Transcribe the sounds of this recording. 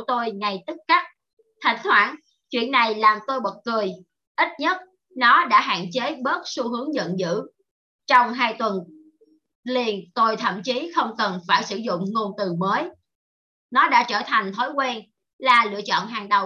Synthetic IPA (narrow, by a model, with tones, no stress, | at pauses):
t̪o˧jŋa˨˩jt̪ɨ˦˥k̚ka˦˥k̚ | t̪ʰa˨˩jŋ̟t̪ʰwaː˧˩n | t͡ɕwḭ˧˨ənːa˨˩jlaː˨˩mt̪o˧jɓə˨˩t̚kɨ˨˩əj | ʔi˦˥t̚ɲə˦˥t̚ | nɔ˨˦ɗa̰ː˧˥ɦa̰ː˧˨nt͡ɕe˨˦ɓə˦˥t̚su˧ɦɨ˨˦əŋzə̰˧˨nzɨ̰˧˥ | t͡ɕɔ˧wŋ͡mɦaː˧jt̪wə˨˩n | li˧˩ənt̪o˧jt̪ʰə̰˧˨mt͡ɕi˨˦xə˧wŋ͡mkə˨˩nfaː˧˩jsɨ˧˩zʊ̰˧˨ŋ͡mŋo˧nt̪ɨ˨˩məː˨˦j | nɔ˨˦ɗa̰ː˧˥t͡ɕəː˧˩t̪ʰa˨˩jŋ̟t̪ʰo˨˦jkwɛ˧n | laː˨˩lɨ̰˧˨ət͡ɕɔ̰˧˨nɦaː˨˩ŋɗə˨˩w